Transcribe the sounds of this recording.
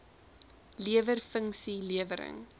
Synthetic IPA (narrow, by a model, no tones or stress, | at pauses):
liəvərfəŋsiliəvəɾə̰ŋ